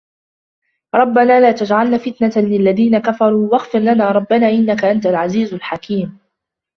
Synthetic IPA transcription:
ɾˤɑbːanaːlaːt̪ad͡ʒʕalnaːfɪt̪nat̪alɪlːaðiːnakafɑɾˤuːwaɣfɪɾlanaːɾˤɑbːanaːʔɪnːakaʔant̪alʕaziːzʊlħakʰiːm

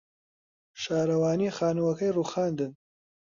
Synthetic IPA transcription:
ʃaːɾɐwaːniːxaːnuwɐkɐjruːxaːnd̪ɨn

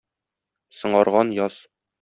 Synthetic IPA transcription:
sɤ̆ɴɑɾʁɑnjɒz̥

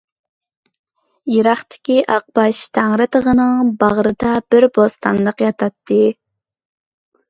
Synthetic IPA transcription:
jeɾɑχt̪ʰɪ̥kʲiʔɑq̚bɑʃt̪ʰæŋɾɨt̪ʰəʁənɨŋbɑʁɾɨd̪ɑbɪɾbost̪ɑnlˠəqjɑt̪ʰɑt̪ʰːɨ

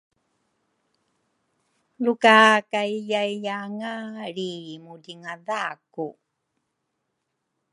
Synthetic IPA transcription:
lukakajjajjaŋaɾimudiŋaðaku

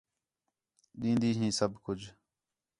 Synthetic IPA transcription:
ɗ̪ĩːnd̪iːɦĩːsəbkʊd͡ʒ

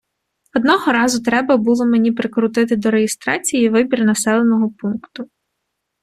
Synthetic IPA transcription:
ɔd̪nɔɦɔɾɑzʊt̪ɾɛbɐbulˠɔmenʲipɾɪkɾʊt̪ɪt̪ɪd̪ɔɾejɪst̪ɾɑt͡sʲijiʋɪbʲirnɐsɛlˠenɔɦɔpunkt̪ʊ

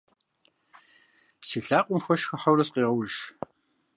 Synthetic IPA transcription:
psiːɬaːqʷʼʊmxʷɔʃxɐħɐwrɐsqiːʁɐwʒ

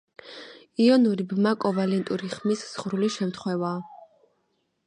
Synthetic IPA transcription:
iɔnuɾibmakʼɔvalɛnt̪ʼuɾiχmisz̥ʁɾuliʃɛmt̪ʰχwɛvaː

